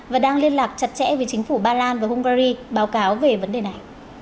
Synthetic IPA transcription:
vaː˨˩ɗaː˧ŋli˧ənlaː˨˩k̚t͡ɕə˨˩t̚t͡ɕɛ̰˧˥ve˨˩˦t͡ɕï˨˦ŋ̟fu˧˩ɓaː˧laː˧nvaː˨˩hʊ˧ŋ͡mkaː˧zi˧ɓaː˨˦wkaː˨˦wve˨˩və˨˦nɗe˨˩na˨˩j

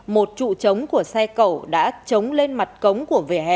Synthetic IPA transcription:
mo˨˩t̚t͡ɕṵ˧˨t͡ɕə˨˦wŋ͡mku˧˩əsa˧jkə˧˩wɗa̰ː˧˥t͡ɕə˨˦wŋ͡mle˧nma˨˩t̚kə˨˦wŋ͡mku˧˩əvḛ˨˩hɛ̰˧˨

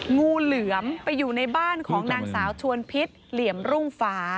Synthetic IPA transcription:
ŋuː˧lɯ˩˦əmpa˧jːuː˨˩na˧jbaː˥˩nkʰɔː˩˦ŋnaː˧ŋsaː˩˦wt͡ɕʰu˧ənpʰi˦˥t̪̚li˩˦əmɾu˥˩ŋfaː˦˥

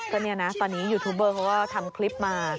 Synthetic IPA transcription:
kɔː˥˩ni˥˩ɐna˦˥t̪ɔː˧nːiː˦˥juː˧˩t̪ʰuː˦˥p̬̚ːɤː˥˩kʰa˦˥wkɔː˥˩t̪ʰa˧mkʰli˦˥p̚maː˧

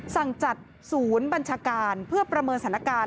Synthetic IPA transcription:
sa˨˩ŋt͡ɕa˨˩t̪̚ | suː˩˦nba˧nt͡ɕʰaː˧kaː˧npʰɯ˥˩ɐpɾa˧mɤː˧nsa˨˩˦n˦a˥kaː˧

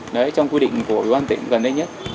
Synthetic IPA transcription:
nɔ˨˦t͡ɕɔ˧wŋ͡mkwi˧ɗḭ˧˨ŋ̟ku˧˩əwi˨˩waː˧nt̪ï˧˩ə˦ŋɣə˨˩nə˧jɲə˦˥t̚

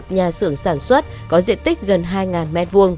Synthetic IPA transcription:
t̚ɲaː˨˩sɨ˧˩əŋsaː˧˩nswə˦˥t̚ | kɔ˨˦zḭ˧˨ənt̪ï˦˥k̟̚ɣə˨˩nɦaː˧jŋaː˨˩nmɛ˦˥t̚vu˧əŋ

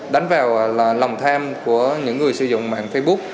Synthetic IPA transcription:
ɗa˨˦jŋ̟vaː˨˩wla˨˩wŋ͡mt̪ʰaː˧mku˧˩əɲɨ̰˧˥ŋːɨ˨˩əjsɨ̰˧˦zʊ̰˧˨ŋ͡mma̰ː˧˨nfə˧jɓʊ˦˥k̚

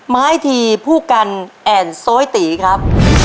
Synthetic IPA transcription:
maː˦˥jt̪ʰiː˧pʰuː˥˩ka˧nʔɛː˨˧˩nsoː˦˥jt̪iː˩˦kʰɾa˦˥p̚

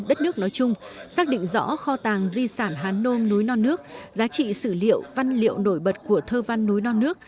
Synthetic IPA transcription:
ɗə˦˥t̚nɨ˦˥ək̚nɔ˨˦jt͡ɕʊ˧ŋ͡msaː˦˥k̚ɗḭ˧˨ŋ̟zɔ̰˧˥xɔ˧t̪aː˨˩ŋzi˧saː˧˩nɦaː˨˦nːo˧mnu˨˦jnɔ˧nːɨ˦˥ək̚zaː˨˦t͡ɕḭ˧˨sɨ˧˩lḭ˧˨əwva˧nlḭ˧˨əwno˧˩jɓə˨˩t̚ku˧˩ət̪ʰəː˧va˧nːu˨˦jnɔ˧nɨ˦˥ək̚

